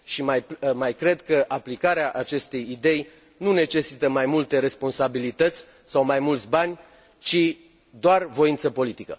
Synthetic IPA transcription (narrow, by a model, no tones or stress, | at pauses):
ʃimajmajkɾe̞d̪kəʔaplikaɾeaʔat͡ʃe̞st̪e̞jid̪e̞j | nune̞t͡ʃe̞sit̪əmajmult̪e̞ɾe̞spo̞nsabilit̪ət̪sʲ | sawmajmult̪sʲbanʲ | t͡ʃi | d̪oarvo̞int̪səpo̞lit̪ikə̰